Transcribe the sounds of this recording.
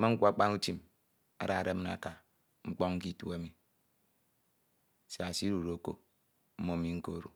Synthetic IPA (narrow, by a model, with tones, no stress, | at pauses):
ma˦ŋ̩˦kʷa˦˨k͡pa˦nu˦ti˦m | a̰˨ɾa˨ɾe˦m̩˦na̰˨ka˨ | ŋ͡m̩˦k͡pɔ˦ŋŋ̩˦ki˦tu˦a˦mi˨ | se˨a˨si˦ɾu˨ɾo˨ko̰˨ | m̩˦mo˦mi˨ŋ̩˦ko̰˦˨ɾṵ˨